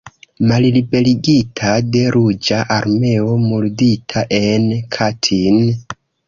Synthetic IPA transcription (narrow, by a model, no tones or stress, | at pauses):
mallibe̞liɡitʰade̞ɾud͡ʒaʔaɾme̞o̞mulditʰaʔe̞nkʰatʰin